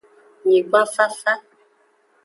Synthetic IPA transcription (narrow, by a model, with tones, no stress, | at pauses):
ɲi˨ɡ͡ba˦fa˦fa˦